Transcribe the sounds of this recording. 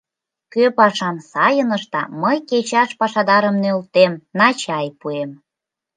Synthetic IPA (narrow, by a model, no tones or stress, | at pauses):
køpɑʃɑmsɑjənə̆ʃt̪ɑ̰məjket͡ɕɑʃpɑʃɑd̪ɑɾə̆mnølt̪emnɑt͡ɕɑjpuem